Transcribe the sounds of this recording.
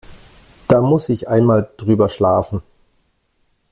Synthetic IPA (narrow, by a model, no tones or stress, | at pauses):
d̥aːmʊsɪçʔaɪnmaːld̥ʁyːbɐʃlaːfn̩